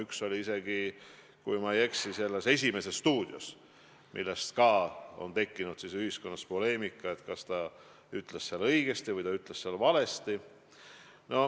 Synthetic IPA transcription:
ykso̞liise̞ɡ̥i | kujmɑje̞ksise̞lːe̞se̞s̬ʲime̞sesːt̪uːd̪̥jos | mʔḭlːest̪kɑːo̞̰nt̪e̞kːinud̪siːsyhisko̞nːɑspo̞le̞ːmikːˑɑet̪kɑst̪ɑ | yt̪ˑlesːeɑlɤ̞iɡ̥e̞st̪ivɯjt̪ɑyt̪ˑlesseɑlvɑle̞st̪i | no̞

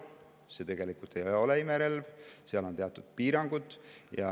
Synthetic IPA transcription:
se̞t̪e̞ɡ̥e̞likult̪ːejo̞leimeɾe̞lvseɑlo̞nt̪e̞ɑt̪ːˑud̪̥̚piːɾɑŋɡ̥ut̪jɑ̰

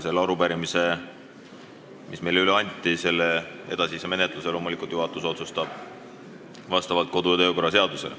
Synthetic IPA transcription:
se̞lːɑɾupæɾimise̞ | mʔismejlyleɑnʲt̪ːˑise̞lːee̞̰d̪ɑsiseme̞net̪ˑluse̞lo̞ːmulikˑult̪juɦɑt̪ːˑuso̞t̪sust̪ɑb̥̚ | vɑst̪ɑvɑlt̪̚ko̞d̪̥ujɑt̪øːko̞rːɑse̞ɑd̪̥use̞le

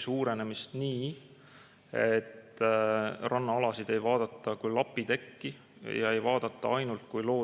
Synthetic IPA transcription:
suːɾe̞ne̞mist̪niː | e̞t̪ː | rɑnːɑɑlɑsid̪̥e̞jvɑːd̪̥ɑt̪ˑːɑkujlɑpːˑit̪e̞kːi | jɑ̰e̞jvɑːd̪̥ɑt̪ˑːɑɑjnult̪̚kujlo̞ː

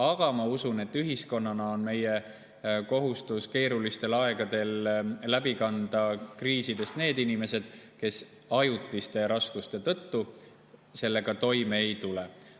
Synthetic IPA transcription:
ɑɡ̥ɑmɑusune̞t̪ːyɦisko̞nːɑnɑo̞nme̞je | ko̞ɦust̪uske̞ːɾulist̪e̞lɑe̞ɡ̥ɑd̪e̞llæbikɑnd̪̥ɑkriːsid̪̥e̞st̪ne̞ːd̪inime̞se̞d̪̥ke̞s | ɑjut̪ːˑist̪e̞ɾɑskust̪e̞t̪ɤt̪ːu | se̞lːe̞ɡ̥ɑt̪o̞jmeːjt̪ule

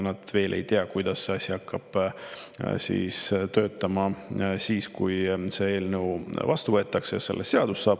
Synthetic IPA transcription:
nɑd̪̥ve̞ːlʔe̞̰jt̪eɑkujd̪̥ɑsːe̞ɑsʲiɑkːɑb̥ | sḭːst̪ø̞ːt̪ːˑɑmɑsiːskujse̞e̞ːlnəwvɑst̪uvɤ̞et̪ːˑɑksejɑse̞lːese̞ɑd̪usːɑːb̥̚

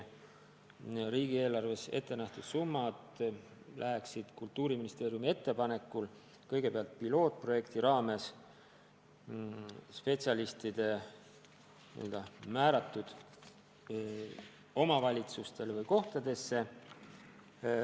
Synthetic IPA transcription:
ɾiːɡ̥ie̞ːlɑrve̞se̞t̪ːe̞næht̪ud̪̥sumːɑd̪̥ | lʔæɦeksid̪̥kult̪ːˑuːɾiminist̪e̞ːɾijumie̞t̪ːe̞pɑne̞kːˑul | kɤjɡ̥e̞peɑlt̪̚pilo̞ːt̪̚pro̞je̞kt̪iɾɑːme̞s | spe̞t̪sʲjɑlist̪id̪̥e̞ | niøld̪ɑmæːɾɑt̪ːˑud̪̥ | o̞mɑvɑlʲit̪sust̪e̞lvɤjko̞ht̪ɑd̪e̞sːe̞

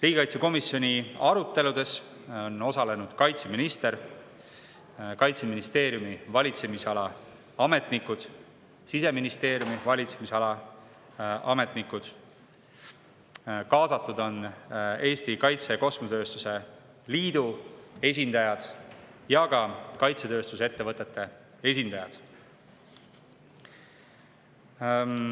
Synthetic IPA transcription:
riːɡʲikɑjt̪seko̞misːjo̞nʲiɑɾut̪ːe̞lud̪e̞s | o̞no̞sɑle̞nud̪̥kɑjt̪seminist̪e̞ɾ | kɑjt̪seminist̪e̞ːɾjumivɑlʲit̪se̞misɑlɑ | ɑme̞t̪nikːud̪̥ | sise̞minist̪e̞ːɾjumivɑlʲit̪semisɑlɑ | ʔɑme̞t̪nikːud̪̥ | kɑːsɑt̪ːˑud̪o̞ne̞ːst̪ikɑjt̪se̞ko̞smut̪ø̞ːst̪use̞ | liːd̪ue̞s̬ʲind̪̥ɑjɑd̪̥jɑɡ̥ɑkɑjt̪set̪ø̞ːst̪usee̞t̪ːe̞vɤt̪ˑːet̪ːe̞ | e̞sʲind̪̥ɑjɑd̪̥

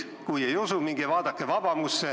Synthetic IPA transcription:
kujeijosumiŋɡ̥eʋɑːd̪ɑkːeʋɑb̥ɑmusːe

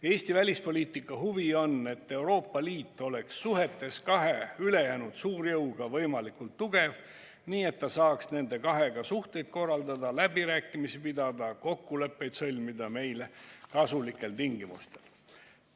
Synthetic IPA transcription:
e̞ːsʲt̪ivælʲispo̞lʲiːt̪ˑikːˑɑɦuvio̞ne̞t̪ːe̞wɾo̞ːpːɑliːt̪ːˑo̞le̞ksːuɦe̞t̪ːˑe̞skɑɦe̞yle̞jæːnud̪̥suːɾjɤwɡ̥ɑvɤjmɑlikult̪ːuɡ̥e̞v | niːe̞t̪ːɑsɑːksne̞nd̪e̞kɑɦe̞ɡ̥ɑsuht̪e̞jd̪̥̚ko̞rːɑld̪ɑd̪ɑlæbiɾæːkːˑimisipid̪ɑd̪̥ɑko̞kːule̞pːe̞jd̪̥sɤ̞lʲmid̪ɑme̞jlekɑsulikːˑe̞lt̪iŋɡimṵst̪e̞l

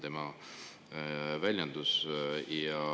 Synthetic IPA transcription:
t̪e̞mɑ | vælʲjɑnd̪̥usjɑ

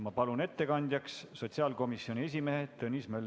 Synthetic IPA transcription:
mɑpɑlune̞t̪ːe̞kɑnʲd̪̥ʲjɑksːo̞t̪siɑːlko̞misio̞nʲie̞s̬ʲime̞ɦet̪ɤnʲismɑylː

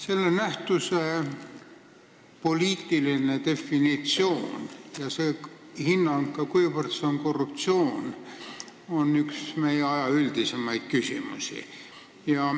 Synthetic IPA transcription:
se̞lːe̞næht̪use | po̞lʲiːt̪ːˑiline̞t̪e̞fːinit̪sio̞ːnjɑse | hinːɑŋkːɑkujvərt̪seoŋko̞rːup̚t̪sio̞ːn | o̞nːyksmejeɑjɑyld̪ise̞mɑjd̪̥kysimṵsḭ | jɑ

